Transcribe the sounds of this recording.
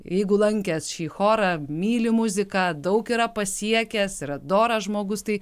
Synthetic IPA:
jɛɪɡʊlˠɐŋʲkʲɛsʃʲiːxoːɾɐmʲiːlʲɪmʊzʲɪkɑːd̪ɐʊkiːɾɐpɐsʲiɛkʲɛsiɾɐd̪oːɾɐʒmoːɡʊst̪ɐɪ

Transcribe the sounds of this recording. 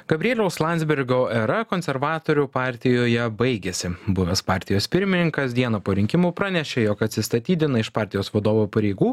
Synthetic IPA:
ɡ̥ɐbʲɾʲeːlʲɛʊslˠɑˑnʲzʲbʲɪɾʲɡoːɛɾɐkoːnʲsʲɛɾʋɑːt̪oːɾʲʊpɑːˑɾʲt̪ʲɪjoːjɛbɐɪɡʲesʲɪbʊʋʲɛspɑːɾʲt̪ʲɪjoːspʲɪɾʲmʲɪnʲɪŋkɐsd̪ʲiɛnɐpoːɾʲɪŋʲkʲɪmuːpɾɑːnʲɛʃʲejɔkɐt̪ʲsʲɪst̪ɐt̪ʲiːd̪ʲɪnɐɪʃpɑːɾʲt̪ʲɪjoːsʋɐd̪oːʋopɐɾʲɛɪɡuː

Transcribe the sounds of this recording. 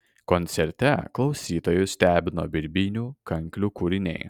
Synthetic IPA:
kɔnʲt̪sʲɛɾʲt̪ʲɛklˠɒʊsʲiːt̪oːjʊsʲt̪ʲæːbʲɪnoːbʲɪɾʲbʲinʲuːkɐŋʲkʲlʲuːkuɾʲɪnʲɛ̰ɪ

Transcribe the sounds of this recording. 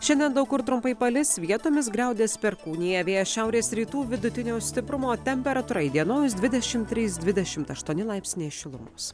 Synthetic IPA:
ʃʲɛnʲd̪ʲiɛnd̪ɐʊkʊɾt̪ɾʊmpɐɪpɐlʲɪsʋʲiɛt̪oːmʲɪs̬ɡɾɛˑʊd̪ʲeːspʲɛɾkuːnʲɪjɛʋʲeːjɛʃʲɛʊɾʲeːsɾʲiːt̪uːʋʲɪd̪ʊt̪ʲɪnʲoːsʲt̪ʲɪpɾʊmoːt̪ʲɛmʲpʲɛɾɐt̪uːɾɐɪd̪ʲiɛnoːjs̬d̪ʲʋʲɪd̪ʲɛʃʲɪmt̪ʲːɾʲiːsd̪ʲʋʲɪd̪ʲɛʃʲɪmt̪ɐʃt̪uɔnʲɪlˠɑɪpʲsʲnʲeːʃʲɪlˠʊmo̰ːs

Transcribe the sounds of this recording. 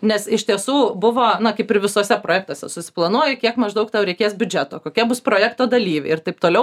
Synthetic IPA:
nʲɛsɪʃʲt̪ʲiɛsuːbʊʋoːnɐkɐɪpɪɾʋʲɪsoːsʲɛpɾoːjæːk̚t̪oːsʲɛ̰sʊsʲɪ̥plˠɐnuɔjɪkʲiɛkmɐʒd̪ɐʊkt̪ɛʊɾʲɛɪkʲeːsbʲʊd͡ʒʲæt̪oːkoːkʲiɛbʊspɾoːjækt̪oːd̪ɐlʲiːʋʲɛ̰ɪɪrt̪ɐɪp̚t̪oːlʲɛʊ

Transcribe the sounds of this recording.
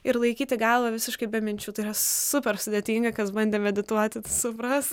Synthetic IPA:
ɪɾlˠɐɪkʲiːt̪ʲɪɡɐlˠʋɐʋʲɪsʲɪʃkɐɪbʲɛmʲɪnʲt͡ʃʲuːt̪ɐɪirɐsʊpʲɛrsʊd̪ʲeːt̪ʲiːŋɡɐkɐsbɐnʲd̪ʲeːmʲɛd̪ʲɪt̪uɔt̪ʲɪsʊpɾɐs

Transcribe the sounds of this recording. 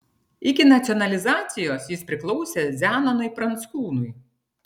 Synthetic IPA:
ɪkʲɪnɐt̪sʲɔnɐlʲɪzɑːt̪sʲɪjoːsjɪspʲɾʲɪklˠɔʊsʲeːzʲæːnɐnoɪpɾɐnt̪skuːnʊj

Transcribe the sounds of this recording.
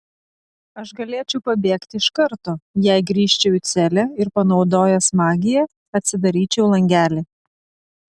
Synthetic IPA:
ɐʃɡɐlʲeːt͡ʃʲɛʊpɐbʲeːkt̪ʲɪɪʃkɐɾt̪oːjæɪɡɾʲiːʃʲt͡ʃʲɛʊɪt̪sʲɛlʲɛɪɾpɐnɒʊd̪oːjɛsmɑːɡʲɪjɛ | ɐt̪ʲsʲɪd̪ɐɾʲiːt͡ʃʲɛʊlˠɐŋʲɡʲæːlʲɪ

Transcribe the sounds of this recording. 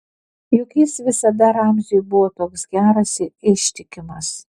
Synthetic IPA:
jʊkʲiːsʋʲɪsɐd̪ɐɾɑˑmʲʒʲɪjbʊʋoːt̪oːksɡʲæːɾɐsɪɪʃʲt̪ʲɪkʲɪmɐs

